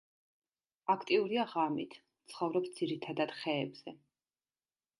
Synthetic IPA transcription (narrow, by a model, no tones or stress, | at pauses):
akʰt̪ʼiuɾiaʁamit̪ʰ | t̪sʰχɔvɾɔpsd̪ziɾit̪ʰad̪ad̪̥χɛːbz̥ɛ